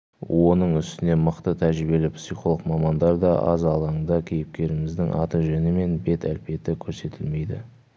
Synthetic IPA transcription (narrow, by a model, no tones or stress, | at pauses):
wʔo̞nəɴʏst̪ɪne̞məqt̪ət̪ʰæɾʒɾɪbe̞lɪpsijχo̞lˠəqmɑmɑnd̪ɑɾd̪ɑʔɑ̰zɑlˠɑɴd̪ɑkʲʰe̞jɪp̚kʲe̞ɾɪmɪzd̪ɪŋʔɑ̰t̪əʒʏnɪme̞nbe̞t̪ælpe̞t̪ɪkʲʰɵɾse̞t̪ʰɪlme̞jd̪ɪ̰